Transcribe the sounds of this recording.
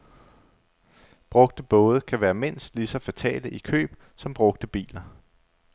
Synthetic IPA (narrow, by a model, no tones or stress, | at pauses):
b̥ʁɔ̽ɡ̥d̥əb̥ɔ̽ːð̞ˠəkʰæʋæːɐmen̰sd̥lisɒ̽fæt͡sʰɛ̰ːləʔikʰø̰ːb̥ | sɒ̽mb̥ʁɔ̽ɡ̥̚d̥əb̥ḭːlɐ